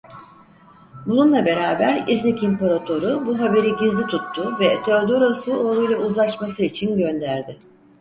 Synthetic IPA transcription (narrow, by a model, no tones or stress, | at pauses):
bununlˠabe̞ɾaːbæɾiznicimpoɾat̪ʰo̞ɾubuɦabe̞ɾiɟizlʲit̪ʰut̪ʰːʊvɛt̪ʰøɾd̪uɾosuolˠujlˠauzlˠaʃmasɯit͡ʃʰinɟønd̪æɾd̪ɪ